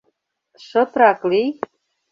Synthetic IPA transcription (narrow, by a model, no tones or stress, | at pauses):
ʃɤ̆t̪ɾɑklij